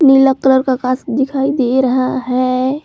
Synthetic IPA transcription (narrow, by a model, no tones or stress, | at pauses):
nɪləkləɾkakaːsd̪ɪkʰaːid̪eɾəɦaɦɛ